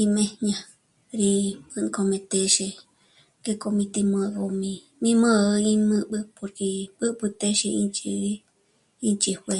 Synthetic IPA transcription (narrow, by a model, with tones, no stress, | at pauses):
i˧mẽ˧ɲã˧ | ɾi˧pɨ˧n˧ko˧mẽ˧t̪e˧ʃe˧ | ke˧ko˧mĩ˧t̪i˧mõ˧˨o˧mĩ˧ | mĩ˦mõ˦˧ĩ˧mɨ̃˧bɨ˧po˨ɾke˧bɨ˦ʔbɨ˧t̪e˦ʃe˧ḭ˧nt͡ʃi˧ɾi˧ | i˦˧nt͡ʃi˧hwe˧